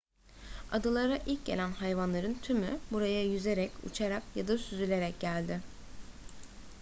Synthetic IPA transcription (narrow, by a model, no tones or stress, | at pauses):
ad̪ɯlˠaɾaʔilʲc̚ɟe̞lʲænhajvanlˠaɾɯnt̪ʰymybuɾajajyze̞ɾɛcṵt͡ʃʰaɾakjad̪asyzylʲe̞ɾɛc̚ɟælʲd̪ɪ